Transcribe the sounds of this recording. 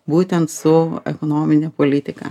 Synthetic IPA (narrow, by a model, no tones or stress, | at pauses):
buːt̪ʲɛnt̪sʊɛ̰konoːmʲɪnʲeːpoːlʲɪt̪ʲɪkɐ̰